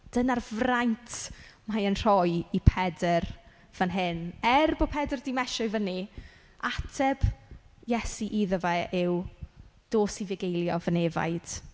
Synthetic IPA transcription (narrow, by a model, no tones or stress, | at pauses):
d̥ənarvrajntʰmajənr̥ɔjipʰɛdər | v̥ənɦɪnɛrboːpʰɛdərdimɛʃɔɨvəni | ʔatʰɛb | jɛsiʔiðəvɛɪwd̥oːsivɪɡejlˠjɔvəneva̰jd̥